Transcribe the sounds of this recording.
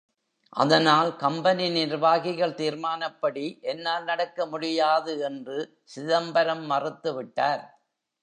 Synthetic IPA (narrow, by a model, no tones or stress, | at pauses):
ʔɐ̰ðɐnaːlkɐmbɐninɪɾʋaːɣɪɣɐɭt̪iːɾmaːnɐpːɐɽiʔɛnːaːlnɐɽɐkːɐmʊɽɪjaːðɯɛndrɯ | sɪðɐmbɐɾɐmːɐrɯt̪ːɯʋɪʈːaːɾ